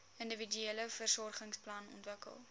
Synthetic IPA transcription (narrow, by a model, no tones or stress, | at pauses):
əndəvidyeləfərsɔrχəŋsplɐnɔ̰ntvəkə̰lˠ